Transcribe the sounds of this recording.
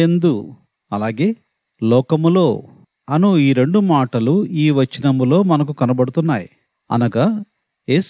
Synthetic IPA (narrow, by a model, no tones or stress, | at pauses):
end̪u | ɐlaːɡe̞ː | lɔːkɐmlo̞ː | ɐnuiːɾe̞ɳɖumaːʈɐluiːʋɐt͡ʃːinɐmulo̞ːmɐnɐk̬ukɐnɐbɐɽut̪unːaːji | ɐ̰nɐɡa | e̞ːs